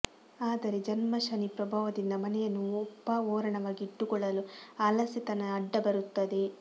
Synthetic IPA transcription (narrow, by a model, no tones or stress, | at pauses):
aːd̪ɐɾe̞d͡ʒɐnmɐʃɐnipɾɐbʱɐːʋɐd̪ind̪ɐmɐnɛjɐnːuɔbːɐɔːɾɐɳɐʋaːɡiːʈːuɡɔɭːɐluaːlɐsit̪ɐnɐːɖːɐbɐɾut̪ːɐd̪e̞